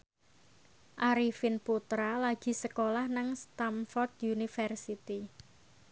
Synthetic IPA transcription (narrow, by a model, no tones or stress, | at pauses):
ʔaɾifinput̪ɾalaɡ̥i̤səkolahnaŋst̪amfɔrt̪junifərsit̪i